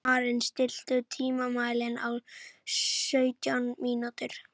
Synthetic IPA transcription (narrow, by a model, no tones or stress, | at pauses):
aːɾɪnst̪ɪl̥t̪ʏt̪ʰiːmamaːjlɪna̰w | sœːɥt̪jawnmiːnut̪ʏɾ̥